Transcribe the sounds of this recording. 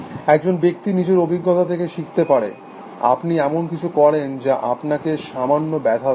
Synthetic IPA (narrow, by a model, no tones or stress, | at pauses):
ɛk̚d͡ʑonbek̚t̪inid͡ʑeɾobʱiɡːot̪at̪ʰekeʃikʰt̪epaɾḛ | a̰pniɛmonkit͡ɕʰukɔɾend͡ʑaʔa̰pnakeʃamanːobɛd̪ʱa